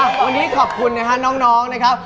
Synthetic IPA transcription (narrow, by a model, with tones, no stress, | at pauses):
wa˧nːiː˦˥kʰɔː˨˩p̚kʰu˧nːa˦˥kʰa˦˥nɔː˦˥ŋnɔː˦˥ŋna˦˥kʰa˦˥p̚